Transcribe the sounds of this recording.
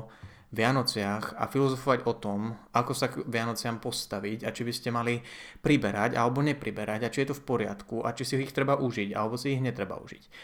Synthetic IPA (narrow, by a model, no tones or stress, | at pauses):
ʋɪanɔt͡sɪaxa̰filɔzɔfɔʋaɟɔt̪ɔmakɔsaʋɪanɔt͡sɪampɔst̪aʋicat͡ʃibiscɛmalipɾibɛɾaɟa̰lɛbɔɲɛpɾibɛɾaɟat͡ʃijɛt̪ɔfpɔɾɪa̰t̪kuʔa̰t͡ʃisiixt̪ɾɛbaʔuʒiɟa̰lɛbɔsiːɣɲɛt̪ɾɛba̰ṵʒḭc